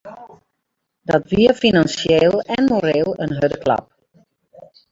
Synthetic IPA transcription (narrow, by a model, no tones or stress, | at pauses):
dɔtʋiəfinansjeːlˠɛnmoɾeːlˠənɦødəklɑ̰p̚